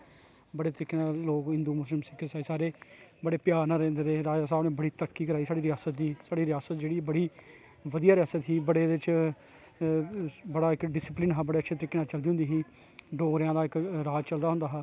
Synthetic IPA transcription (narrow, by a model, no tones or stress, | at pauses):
bəɽeːt̪əɾɪkːeːnãːloːkɦɪ̃nd̪uːmʊslɪmsɪkʰːesaːisaːɾeːbəɽeːpjaːɾnãːɾɛ̃ːnd̪ed̪eːɾaːd͡ʒaːsaːbneːbəɽiːt̪ɾəkːiːkəɾaːiːsaːɽiːɾɪjaːsət̪̚d̪iːsaːɽiːɾɪjaːsət̪d͡ʒeːɽiːbəɽiː | ʋəd̪ijaːɾɪjaːsət̪ɦiːbəɽeːdɪt͡ʃ | bəɽaːɪkɖɪsɪplɪnɦaːbəɽeːətːʃʰeːt̪əɾɪkːeːnaːt͡ʃəld̪iːõnd̪iːɦiː | ɖoːɾjãːd̪aːɪkɾaːd͡ʒt͡ʃəld̪aːɦʊ̃nd̪aːɦaː